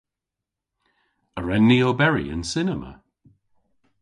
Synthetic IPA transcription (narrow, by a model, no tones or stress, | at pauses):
əɹɛnːiobɛɹḭə̰nsɪnəmə̰